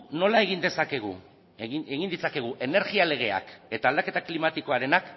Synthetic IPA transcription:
no̞lae̞ɣ̞ind̪e̞sake̞ɣ̞ṵ | eɣind̪it͡sake̞ɣ̞uʔe̞ne̞ɾɣiale̞ɣ̞e̞a̰ke̞t̪aːld̪ake̞t̪aklimat̪iko̞aɾe̞nak

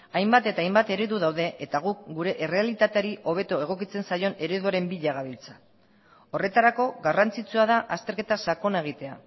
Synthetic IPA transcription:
ajmbat̪e̞t̪aːjmbat̪e̞ɾeðuðawðe̞ʔet̪aɣ̞uk̚ɡuɾe̞ʔere̞alit̪at̪e̞aɾiʔo̞β̞e̞t̪oe̞ɣ̞o̞kit͡se̞nsajo̞ne̞ɾe̞ðuaɾe̞mbiʎaɣaβilt͡sḁ | o̞re̞t̪aɾako̞ɡarant͡sit͡suað̞aʔast̪e̞ɾke̞t̪asako̞nae̞ɣ̞it̪e̞a̰

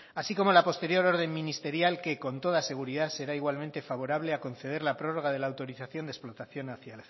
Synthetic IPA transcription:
asiko̞mo̞lapo̞st̪e̞ɾjo̞ɾo̞ɾð̞emmĩnist̪e̞ɾjalke̞ko̞nt̪oð̞ase̞ɣ̞uɾiðase̞ɾaiɣ̞walmẽnt̪e̞faβ̞o̞ɾaβ̞le̞ako̞n̟θe̞ð̞e̞ɾlapɾo̞ro̞ɣ̞aðe̞laːwt̪o̞ɾiθaθjo̞nd̪esplo̞t̪aθjo̞naθjael

